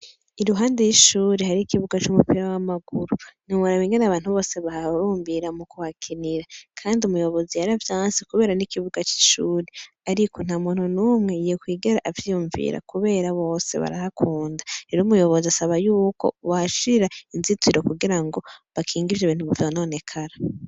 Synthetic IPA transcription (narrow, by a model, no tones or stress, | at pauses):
iɾuɦaːndejiʃuːɾehaɾiːkiβuɡat͡ʃumupiɾawamaɡ̥uɾuniŋaɾaβiːŋɡenaβaːn̥huβo̞ːse̞βahaɾuːɱbiɾamukuwakʰiniɾakʰaːndiumujo̞βo̞zijaɾavjaːnsikuβe̞ːɾanikiβuɡat͡ʃi̥ʃuːɾe | aɾikʰo̞n̥hamuːnhunuːmŋe̞jekwiːɡeɾaʔavjijuɱvḭːɾa̰kuβe̞ːɾaβo̞ːse̞̰βa̰ɾa̰hakʰuːndaɾeɾomujo̞βo̞ziasaβajuːko̞̰waʃiɾainzitwiɾokuɡiɾaŋɡo̞βakʰiːŋɡivjoβiːntuβuvjoanone̞kʰaɾa